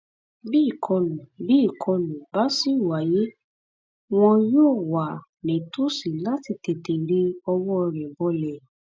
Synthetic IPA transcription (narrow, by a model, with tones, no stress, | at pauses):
bi˦˨kʰɔ̃˧nũ˨bi˦˨kʰɔ̃˧nũ˨ba˨˦si˦˨wa˨je˨˦ | w̃ɔ̃˧joː˦˨wa˨ | nẽ˨to˦si˨la˦ti˧˨te˨te˨ɾi˦ɔ˧wɔ˦˧ɾɛ̃˨bɔ˧lɛ˨